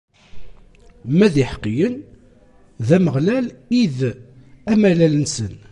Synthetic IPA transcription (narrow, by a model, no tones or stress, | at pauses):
mæðiħə̥qːijən | ðæməʁlælið | æmælælənsən